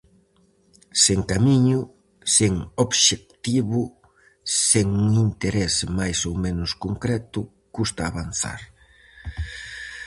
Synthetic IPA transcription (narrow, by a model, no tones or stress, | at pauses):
seŋkamiɲʊ | seŋobʃek̚t̪iβʊ | seŋuŋint̪eɾesmajsowmẽnʊskoŋkɾɛt̪ʊ | kust̪aːβan̟θa̰ɾ